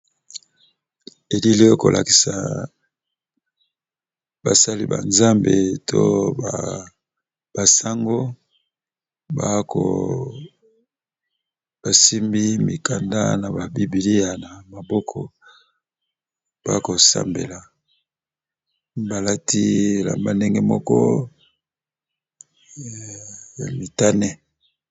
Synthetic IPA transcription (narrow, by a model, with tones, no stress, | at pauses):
e˨li˦le˦o˦ko˨lʔa̰˨ki̥˨sa̰˨ | ba˨sa˦lḭ˦ba̰˨nza˦mbe˨tʰo̰˦ba˨ | b̥a˨sa˦ŋɡo˦ | ba˦kʰo̰˨ | b̥a˨si˦mbi˦mi˨ka˨nda̰˦na˨ba˨bi˦bi˨li˦ja˨na˨ma˨bɔ˦kʰɔ˨ | b̥a̰˦ko˨sa̰˦mbḛ˨la˨ | ba˨la˦ti˦˨la̰˨mba˦nde˦ŋɡɛ˦mɔ˦kɔ˦˨ | mi˨ta˦nɛ˦